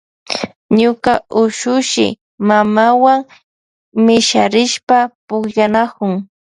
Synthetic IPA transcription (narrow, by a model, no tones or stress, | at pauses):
ɲʊkaʔʊʃʊʃɪ̰ | mamawaŋ | mɪʃaɾɪʃpapʊkʎanakʊŋ